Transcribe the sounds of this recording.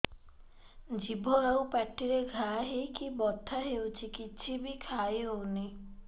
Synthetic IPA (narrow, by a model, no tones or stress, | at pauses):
d͡ʒibʱɔewpɛʈːiɾeɡʱaɦikibɔt̪ʰːaɦewt͡ʃʰikit͡ʃʰibikʰajɦoni